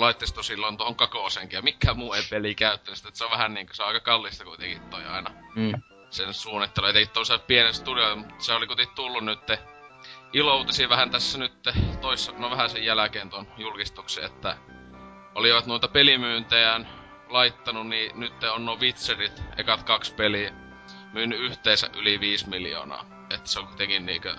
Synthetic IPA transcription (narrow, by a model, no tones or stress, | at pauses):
lɑit̪ːist̪osilːont̪ohoŋkɑkoˑseŋkijɑmikːæmuːeipelikæyt̪ːænyst̪ːet̪seoʋæhænniːŋko̥seoʔɑˑikɑkɑlːist̪ɑkuit̪ḛkit̪t̪oiɑ̰inɑ | sensuːnːit̪ːeluojɑt̪ekit̪ːoseppienest̪uliomuut̪ːseolikut̪et̪ulːunnyt̪ːe | ʔilout̪esiʋæhænt̪æsːænyt̪ːet̪oisːɑnoʋæhæsejjælækeːnt̪onjulkist̪uksḛḛt̪ːæ | ʔoliʋɑt̪nuit̪ɑpelimyːnt̪ejæn | lɑit̪ːɑnunniːnyt̪ːeonnoʋit̪serit̪ḛkɑt̪kɑkspeliæ | myːnːyyht̪eːsæ̰ʔʔyliʋiːsmiljo̰ːnɑ̰ː | et̪ːæ̥sekut̪ekinniːkø